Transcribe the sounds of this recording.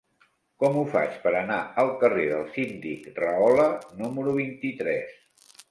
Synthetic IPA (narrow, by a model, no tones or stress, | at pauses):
kɔmufa̰t͡ʃpəɾənaəlˠkəreðəlˠsind̪ikrəɔlənuməɾuβ̞int̪it̪ɾɛs